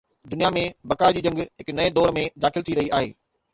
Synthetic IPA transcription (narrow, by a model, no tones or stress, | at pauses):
d̪ʊnijamẽbɐkaːɪd͡ʑiːd͡ʑɐ̃ŋɡɦɪknɐed̪ɔːɾmẽd̪aːxɪlt̪ʰiɾɐɦiaːɦḛː